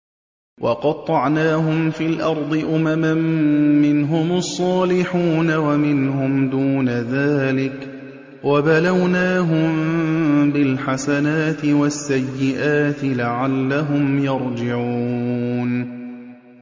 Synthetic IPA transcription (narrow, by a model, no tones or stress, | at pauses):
wʔɑqɑd̚t̪ˤːɑʕnaːɦʊmfiːlʔɑɾˤd̪ˤɨʔʊmamamːɪnɦʊmɑsˤːɑːlɪħuːnawamɪnɦʊmd̪uːnaðaːlɪk | wabalawnaːɦʊm | bɪlħasanaːt̪ɪwasːajːɪʔaːt̪ɪlaʕalːaɦʊmjɑɾˤd͡ʒɪʕuːn